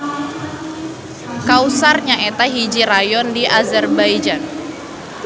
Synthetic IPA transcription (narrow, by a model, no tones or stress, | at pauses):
kausarɲaet̪aɦid͡ʒirajɔndiʔazɛrbajd͡ʒan